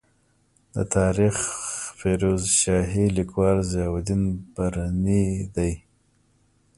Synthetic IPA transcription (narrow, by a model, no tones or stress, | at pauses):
d̪ə̰t̪ʰɑːɾixfeɾozʃɑːɦilɪkwɑːɾzɑwad̪inbaɾanid̪aj